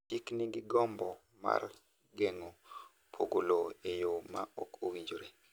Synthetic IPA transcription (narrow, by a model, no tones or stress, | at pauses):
tikniɡɪɡɔmbɔ | ma̰r | ɡeŋo | pʰo̰ɡoloejomaɔ̰kʰowid͡ʒoɾe